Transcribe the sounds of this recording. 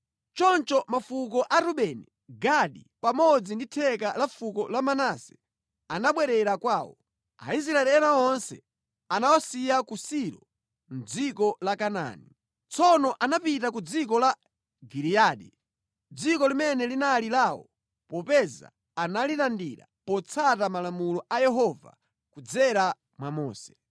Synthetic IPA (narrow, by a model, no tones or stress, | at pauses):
t͡ʃɔnt͡ʃɔmafuk̬ɔʔaɾuɓɛni | ɡaɗipamɔd͡zinditʰɛkalafukɔlamanasɛ̥ | anaɓwɛɾɛɾakwaːwɔ̰ | a̰is̬ɾaɛlɛnaɔnsɛ̰ | anawasijakusiɾɔ | m̩d͡zikɔlakana̰ni | t͡sɔnɔʔanapitak̬ud͡zik̬ɔla | ɡiɾiaːɗi | d͡zikɔlimɛnɛlinalilawɔ̰ | pɔpɛza̰ | analitandiɾa̰pɔt͡sʰatamalamulɔajɛɦɔva̰ | kud͡zɛɾa | mwamɔ̰ːsɛ̥